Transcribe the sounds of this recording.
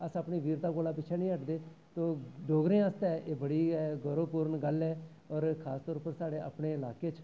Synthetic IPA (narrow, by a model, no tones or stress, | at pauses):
əsəpɳiːʋiːɾt̪ãːkoːlaːp̬ɪːt͡ʃʰɛːnĩːəʈd̪eː | t̪oːɖoːɡɾẽːast̪ɛːʔeːbəɽiːɡəɾõːpuːɾənɡəlɛː | ɔːɾkʰaːst̪ɔːɾʊpəɾsaːɽeːʔə̰pɳeːɪlaːkeːt͡ʃ